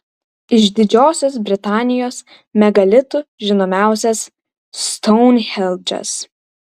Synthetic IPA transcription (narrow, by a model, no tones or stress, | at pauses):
ɪʃd̪ʲɪd͡ʒʲoːsʲoːsbʲɾʲɪt̪ɑːnʲɪjoːs | mʲɛɡɐlʲɪt̪uʒʲɪnoːmʲæˑʊsʲɛs | st̪ɔʊnxʲɛlˠʲd͡ʒʲɛ̰s